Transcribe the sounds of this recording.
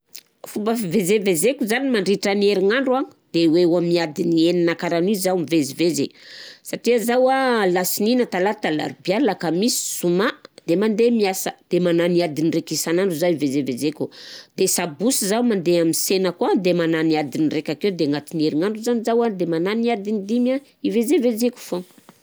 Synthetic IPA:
fumbəfivezevezekʲuzanimaɳɖ͡ʐiʈ͡ʂənieɾiŋaɳɖ͡ʐuaŋi̥d̪̥ewewamniad̪inieninakaɾanizawmivezivezesaʈ͡ʂiəzawalasininat̪alat̪ala̰ɾbialakamisi̥sumad̪̥emand̪emiasəd̪̥emananiad̪inirekisanaɳɖ͡ʐuzaivezevezekʲud̪̥esabusizawmand̪eaminsenəkuad̪emananiad̪inirekʲakewd̪eŋat̪inieɾiŋaɳɖ͡ʐuzanizawad̪emananiad̪inid̪ima | ivezevezekʲu̥fo

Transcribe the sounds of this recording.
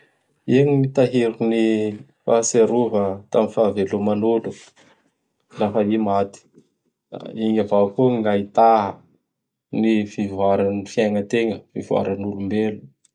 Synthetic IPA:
iŋimit̪aɦiɾukuni | faseɾuvət̪amifavelumanulu | lafaimat̪i̥ | iɲavakuŋɡait̪aɦə | nifivwaɾanifjaŋət̪eŋəfivua̰ɾanulumbelu̥

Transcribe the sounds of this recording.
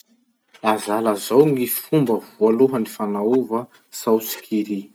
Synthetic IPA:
lazalazawŋifumbəvualuɦənifanauvə | sawt͡si̥kiɾi

